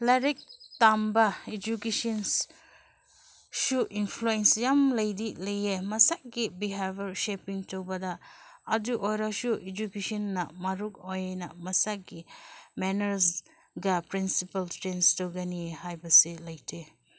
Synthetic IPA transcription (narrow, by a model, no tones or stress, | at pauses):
laɾek̚tambɐed͡ʒukesɔns | suʔinpʰluensjamlɐjdilɐjemɐsak̚ɡibiɦabɐɾsepiŋtɐwbɐdɐːduʔojɾasuʔed͡ʒukesɔnːɐmɐɾuk̚ojjnɐmɐsaɡimenɐɾs | ɡɐpɾinsipɐltɾenstowɡɐniehajbɐsilɐjtʰe